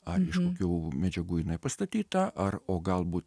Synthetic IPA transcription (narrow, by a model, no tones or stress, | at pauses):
ɐɪʃkoːkʲuːmʲɛd͡ʒʲɛɡuːjɪnɐɪpɐst̪ɐt̪ʲiːt̪ɐʔɐroːɡɐlˠbuːt̪